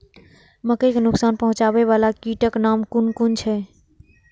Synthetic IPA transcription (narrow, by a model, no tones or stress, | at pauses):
məkəjkenuksanpəɦũt͡ʃabɛβalakiʈəknamkunkunt͡ʃʰɛ